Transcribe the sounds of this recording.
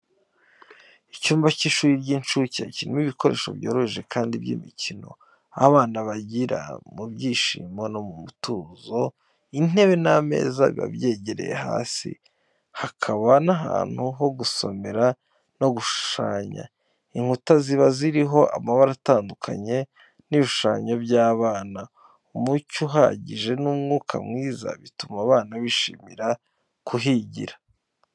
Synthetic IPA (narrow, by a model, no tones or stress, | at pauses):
icuːmvaciʃuːɾiɾɟiːnt͡ʃucecinimiβiko̞ɾe̞ːʃo̞̰bjoːɾoeʒe̞kʰaːndibɟḭmicino̞̰ | a̰βaːnaβaɟiɾa̰mubɟiːʃḭːmo̞nomumutuːzo̞ | in̥he̞βe̞name̞̰ːzaβḭβa̰bje̞ːɟeɾe̞̰jḛha̰ːsḭ | hakʰaβanaɦa̰ːn̥huɦo̞ɡuso̞me̞ɾa | no̞ɡuʃu̥ʃa̰ːɲa̰ | iŋhutaziβaziɾiɦo̞ʔa̰maβaɾataːndukʰa̰ɲe̞ | niβʃuʃaːɲobɟaːβaːna | umucuɦa̰ɟiʒe̞nuːmŋuːkʰa̰mŋiːza̰βitumaβaːnaβiʃḭːmiɾa | kʰuɦiɟḭɾḁ